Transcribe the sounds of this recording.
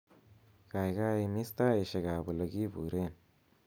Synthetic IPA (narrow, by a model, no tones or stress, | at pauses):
kajɡaimist̪aeʃeɡabuləɡibuɾen